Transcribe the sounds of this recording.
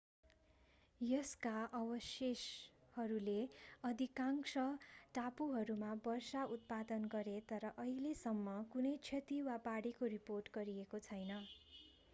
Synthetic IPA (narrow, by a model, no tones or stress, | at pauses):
jʌskaʔʌbʌseshʌɾuleʌd̪ʱikaŋsʌʈapuɦʌɾumabʌrsaut̪̚pad̪ʌnɡʌɾet̪ʌɾʌʔʌɦilesʌmːʌkunʌjt͡sʰʌt̪iwabaɽikoriporʈɡʌɾiekot͡sʰʌjnʌ